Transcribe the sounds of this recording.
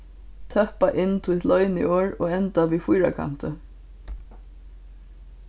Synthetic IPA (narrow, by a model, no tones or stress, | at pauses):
t̪ʰœhpaʔɪnːt̪ʰit̪lœʏnḭʔoːɹoːɣɛnt̪aʋiːfujɾa̰kʰa̰n̥t̪ə